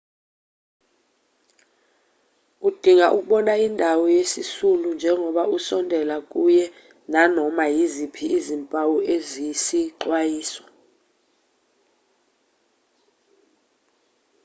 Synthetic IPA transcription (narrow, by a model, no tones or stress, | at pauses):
ud̥ʱiŋaʔuk̬ʼuɓɔnaindʱawɔjesisulund͡ʒʱɛŋʱɔɓausɔndʱɛlakʼujɛ | nanɔmajizipʰiːzimpʼawuezisiǃwajiːsɔ̥